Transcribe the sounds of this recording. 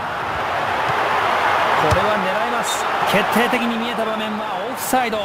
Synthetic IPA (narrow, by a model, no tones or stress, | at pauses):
so̞ɾe̞βane̞ɾaimasɨ̥ | kʰe̞t̪ʰːe̞ːt̪e̞kʲiɲ̟imʲie̞t̪abamẽ̞mbaoːɸɯ̟̥said̪o